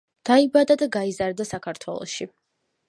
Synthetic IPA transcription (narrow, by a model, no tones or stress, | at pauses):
d̪̥aibad̪ad̪aɡaizaɾd̪asakʰaɾt̪ʰwɛlˠɔ̰ʃi